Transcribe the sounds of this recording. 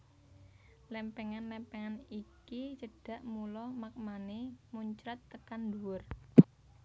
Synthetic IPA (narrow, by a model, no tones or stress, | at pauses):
lɛmpɛŋanlɛmpɛŋanikit͡ʃəɖ̥ä̤ʔmulɔmak̚manemuɲt͡ʃɾat̪ːəkanduwʊr